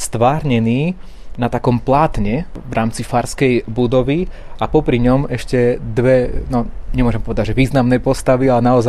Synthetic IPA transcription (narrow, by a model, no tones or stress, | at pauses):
st̪ʋaːɾɲɛniː | nat̪akɔmplaːt̪ɲɛʋɾʔaːmt͡sifaːɾskɛjbud̪ɔʋiapɔpɾiɲɔmɛʃcɛd̪ʋɛnɔɲɛmʊɔʒɛmpɔʋɛd̪aɟʒɛʋiːznamnɛjpɔst̪aʋialɛnaɔza